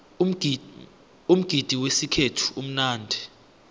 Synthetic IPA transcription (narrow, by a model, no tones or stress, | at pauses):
um̩ɡ̥ʱid̥ʱiwesikʰetʰu̥um̩naːndʱi